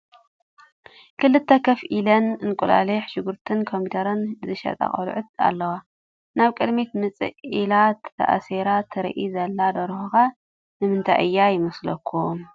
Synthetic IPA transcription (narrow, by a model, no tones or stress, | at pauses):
kʰɨlɨt̪ʰːɐkʰɐfʔilɐnɨnkʼula̰liħʃɪɡuɾt̪ʰɨnkʰompit̪ʰʼɐɾɐnzɨʃɐ̰t̪ʼa̰χʼɐ̰l̰ʕʊt̪̚a̰lːɐwa | naβkʼɨd̪met̪mɨt͡sʼɨ̰ʔʔilat̪ːʰɐ̰ʔa̰seɾat̪ʰːɨɾ̰ʔizɐlːad̪ɐɾxuxa | nɨmɨnt̪ʰa̰ʔɨjːajɪmɐslɐkʰːu